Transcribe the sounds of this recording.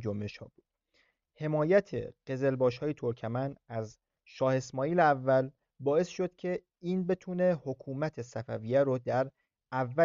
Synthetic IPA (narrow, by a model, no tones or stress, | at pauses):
d͡ʒombe̞ʃhɒ̰ːbuːd̥̪ | he̞mɒːjæt̪ʰḛɢ̥e̞ze̞lbɒːʃhɒːje̞t̪ʰoɾcʰæmænæz | ʃɒːhe̞smɒːiːleævːæl | bɒːe̞sʃo̞d̪̥cʰe̞ | iːnbe̞t̪ʰuːne̞hokʰuːmæt̪ʰe̞sæfævijæɾod̪æɾ | ævːæ